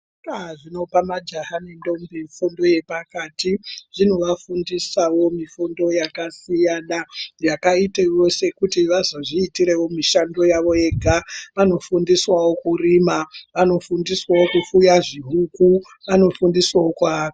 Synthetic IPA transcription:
aʐino̞pamad͡ʒaɦanindo̞mbeɱfundo̞je̞pakaːtiʐ̥in̤uʋafundisawo̞mifundo̞jakasijanajakaitejo̞se̞kutiʋazoʐiːtiɾe̞wo̞miʃando̞jaʋo̞je̞ɡʱaʋano̞fundiswawo̞kurimaʋano̞fundiswawokufujaʐiɦuku | ʋano̞fundiswawo̞kwaaka

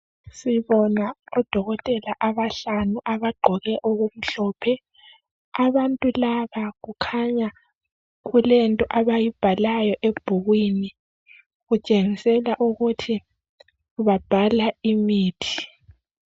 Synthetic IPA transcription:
siβɔnaɔd̥ʱɔɣɔtʼɛlaʔaβaɬanuʔaβaɡ͡ǃʱɔɣɛʔoɣum̩ɬɔːpʰɛ | aβantʼulaβaɣukʰaɲa | ɣulɛntʼɔʔaβajib̥ʱalajɔʔeb̥ʱuɣwini | ɣut͡ʃʼeŋisɛlaʔuɣutʰi | uβab̥ʱalaimiːtʰi̥

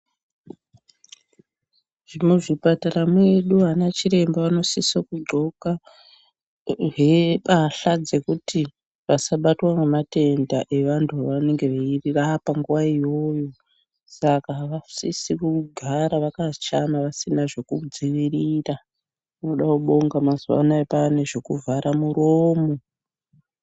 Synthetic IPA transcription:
ʐ̥imuʐipataramwe̞ɗuɦanat͡ʃiɾe̞mbaʋano̞sisokuɡ͡ǃʱo̞ka | ʐepaɬad͡ze̞kuti | ʋasaɓatwamemate̞ndaʔe̞ʋantʰuaʋane̞ŋɡe̞ʋeirirapaŋɡuʋaijo̞jo̞ | sakaʋasisikuuɡʱaɾaʋakat͡ʃamaʋasinaʐe̞kud͡ziʋirira | uno̞ɗakuɓo̞ŋɡamazuwa̰naepane̞ʐe̞kuvaɾʔamuɾoːmo̞

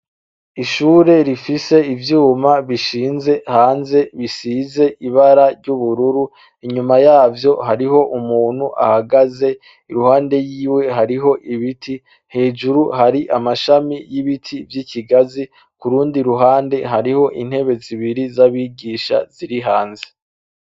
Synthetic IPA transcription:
iʃuːɾe̞ɾifise̞ivjuːmaβiʃiːnze̞haːnze̞βisize̞ʔiβaɾaɾɟuβuɾuɾu | iɲumajaːvjo̞haɾiɦo̞ʔumuːn̥huʔa̰haɡaze̞ | iɾuhaːnde̞jiːwe̞ɦaɾiɦo̞ʔiβitʰi | he̞ːd͡ʒuɾuhaɾiʔamaʃamijiβitʰivjiciɡazi | kuɾuːndiɾuɦaːnde̞ɦaɾiho̞ʔin̥he̞βe̞ziβiɾizaβiːɡiːʃa̰z̥iɾiɦaːnze̞̥

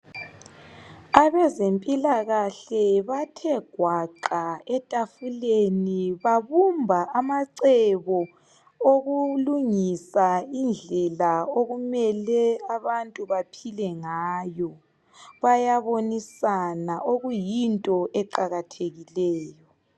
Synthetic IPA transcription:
aβɛzempʼilaɣaɬɛβatʰɛɡ̥ʱwaǃaɛtʼafuleniβaβumbʱaʔamaǀɛβɔ | oɣuluŋisaind͡ɮʱɛlaoɣumɛlɛaβantʼuβapʰilɛŋaːjɔ | βajaβonisanaʔoɣujintʼɔʔɛǃaɣatʰeɣilɛːjɔ

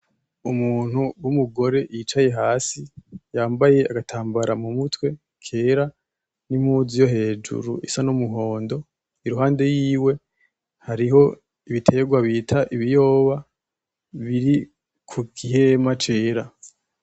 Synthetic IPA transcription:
umuːn̥huwumuɡo̞ɾe̞jiːt͡ʃaje̞ɦaːsijaːmbaje̞aɡatʰaːmbaɾamumutwe̞ | kʰe̞ːɾa | nim̥huːzijo̞ɦe̞ːd͡ʒṵɾuʔisanumuɦo̞ːndo̞ | iɾuɦaːnde̞jiːwe̞ | haɾiɦo̞ | iβitʰe̞ɡwaβitʰaʔiβijo̞ːβa | βiɾi | kʰukʰiɦe̞mat͡ʃe̞ːɾa

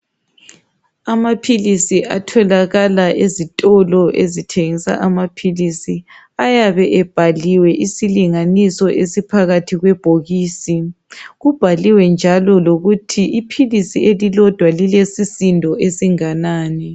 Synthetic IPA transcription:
amapʰilisiʔa̰tʰɔlaɣalaʔezitʼɔlɔʔezitʰeŋisa̰ʔamapʰilisi | ajaβɛʔɛb̥ʱaliwɛʔisiliŋanisɔʔesipʰaɣatʰiɣwɛb̥ʱoɣiːsi | ɣub̥ʱaliwɛnd͡ʒʱalɔloɣutʰiipʰilisielilɔd̥ʱwalilesisindʱɔʔesiŋanaːnɛ

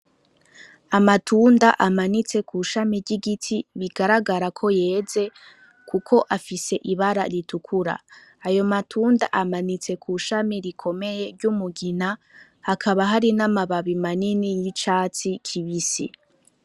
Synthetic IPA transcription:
amatʰuːndaʔamanit͡se̞kʰuʃamiɟiɡitʰiβiɡaɾaɡaɾakʰo̞je̞ːze̞ | kukʰo̞ʔafise̞ʔiβaɾaɾitʰukʰuɾa̰ajo̞matʰuːnda̰ʔamanit͡se̞kʰuʃamiɾikʰo̞me̞je̞ɾɟumuɡina | hakʰaβaɦaɾinamaβaβimaninijit͡ʃaːt͡sikʰiβisi

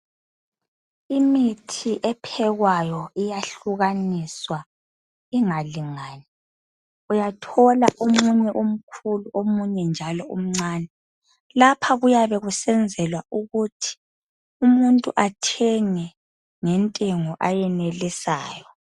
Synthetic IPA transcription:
imitʰiʔɛpʰɛɣwajɔijaɬuɣaniswa | iŋaliŋaːnɛ | ujatʰɔlaʔomuɲɛʔom̩kʰuluʔomuɲɛnd͡ʒʱalɔʔṵm̩ŋ͡ǀaːnɛ | lapʰaɣujaβɛɣusɛnd͡zʱɛlwaʔuɣutʰi̥ | umuntʼṵʔatʰɛŋɛ | ŋɛntʼeŋɔʔajɛnelisa̰ːjɔ

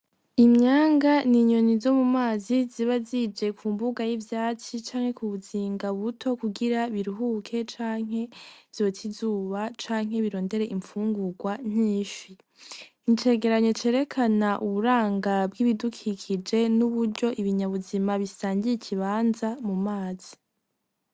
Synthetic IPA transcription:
imɲaːŋɡaniɲo̞nizo̞mumaːziziβazid͡ʒe̞kʰuːmbuɡajivjaːt͡ʃit͡ʃaːŋhe̞kuβuziːŋɡaβutʰo̞kuɡiɾaβiɾiɦukʰe̞t͡ʃaːŋ̥e̞v̥jo̞tʰizuːβat͡ʃaːŋ̥ɦe̞βiɾo̞ːnde̞ɾe̞ʔiɱfuːŋɡuɡwaɲ̥iːʃi | iɲt͡ʃe̞ɡe̞ɾaɲo̞t͡ʃe̞ɾe̞kʰanaʔuβuɾaːŋɡabɡiβidukʰikʰid͡ʒe̞nuβuɾɟo̞ʔiβiɲaβuzimaβisaːɲɟijicʰiβaːnzamumaːz̥i

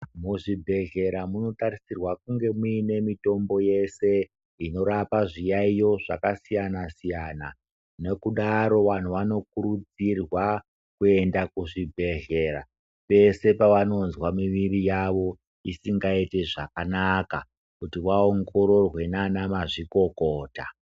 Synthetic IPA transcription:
muʐibʱe̞ɣe̞ɾamuno̞taɾisirwakuŋɡe̞muine̞mito̞mbo̞je̞se̞ | ino̞ɾapaʐijaijo̞ʐa̰kasijanasijaːna | ne̞kuɗaɾo̞ʋan̤uʋano̞k̚uɾud͡zirwa | kue̞ndakuʐibʱe̞ɦe̞ɾa | pe̞se̞paʋano̞nzwamiʋirijaʋo̞ | isiŋɡaite̞ʐakanaka̰ | kutiʋaoŋɡo̞ɾo̞rwe̞nanamaʐiko̞koːta

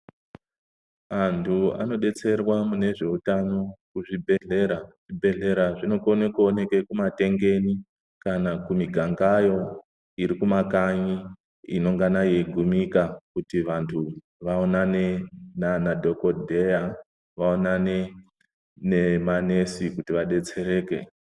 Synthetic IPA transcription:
antʰua̰no̞ɗe̞t͡se̞rwamune̞ʐe̞utano̞kuʐibʱeɮeɾa | ibʱe̞ɮe̞ɾaʐino̞konekuone̞kekumate̞ŋɡe̞ni | kanakumiɡʱaŋɡajo̞ | iɾikumakaɲi | ḭno̞ŋɡanaje̞ɡʱumikakutiʋantʰu | ʋaonanenanadʱo̞ko̞dʱe̞ja | ʋaonane | ne̞mane̞sikutiʋaɗe̞t͡se̞ɾe̞ːke̞̰

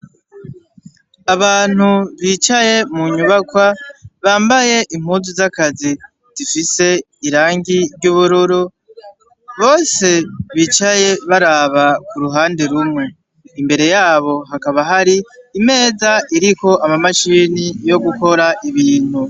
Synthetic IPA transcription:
aβaːn̥huβiːt͡ʃaje̞muɲuβakwaβaːmbaje̞ʔimhuːnzizakazi | z̥ifise̞ | iɾaːŋɡiɾɟuβuɾuɾu | βo̞ːse̞βiːt͡ʃaje̞βaɾaβakuɾuɦaːndeɾumŋe̞ | imbe̞ɾe̞jaːβo̞ɦakaβaɦaɾiːme̞ːzaʔiɾiko̞ʔamamaʃiːnijo̞ɡuko̞ɾaʔiβiːn̥hu

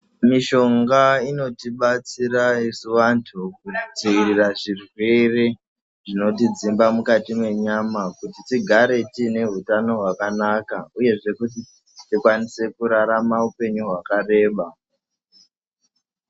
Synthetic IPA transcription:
miʃo̞ŋɡaino̞tiɓat͡siɾaisuʋantʰukuit͡siiriraʐirwe̞re | ʐino̞tid͡zimbamukatimwe̞ɲamakutitiɡʱaɾe̞tine̞ɦutano̞ɦwakanakauje̞ʐe̞kut̬i | tikwanise̞kuɾaɾamaupe̞ɲuɦwakare̞ːɓa

